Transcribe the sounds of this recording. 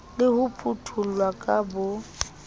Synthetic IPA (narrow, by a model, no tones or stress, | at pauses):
lɪhʊpʰʼutʰʊlwakʼabʊ